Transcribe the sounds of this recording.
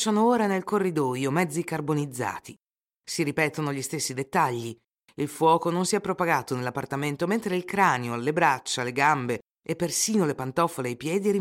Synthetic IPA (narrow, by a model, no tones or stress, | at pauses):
t͡ʃːanooːɾanelkorːid̪ɔːjomɛd̪zːikarbonid̪zːa̰ːt̪i | siɾipɛːt̪onoʎist̪esːid̪et̪ːaʎːi | ilfwɔːkononsiɛpːɾopaɡaːt̪onelːapːart̪ament̪oment̪ɾeilkɾaːneoalːebɾat͡ʃːaleɡambe | epːersiːnolepant̪ɔfoleajpjɛːd̪iɛɾi